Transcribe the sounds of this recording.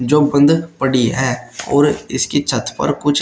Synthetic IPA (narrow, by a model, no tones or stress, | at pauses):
d͡ʒoːbə̃nd̪pəɽiɦɛːɔ̰ːɾɪskit͡ʃʰət̪pə̰ɾkʊt͡ʃʰ